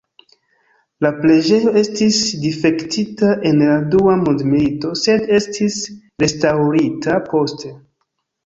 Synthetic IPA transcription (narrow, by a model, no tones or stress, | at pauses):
laple̞d͡ʒe̞jo̞e̞stisdife̞ktitaʔe̞nladuamondmilito̞se̞de̞stʰis | ɾe̞stawɾitapo̞ste̞